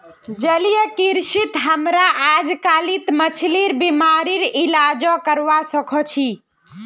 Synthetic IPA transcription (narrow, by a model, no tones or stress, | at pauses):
d͡ʒəlijəkiɾsit̪ɦəmɾaʔad͡ʒkalit̪mət͡ʃʰliɾbimaɾiɾilad͡ʒɔkəɾʋasəkʰɔt͡ʃʰi